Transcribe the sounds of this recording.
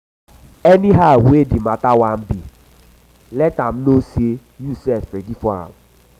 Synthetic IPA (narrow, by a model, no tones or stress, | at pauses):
ɛnĩɦawedimãtawam̩bi | lɛtam̩nosie | jusɛffɛdifɔã̰m̩